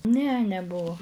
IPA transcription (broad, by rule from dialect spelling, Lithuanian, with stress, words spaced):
nʲɛ nʲɛˈbuɔ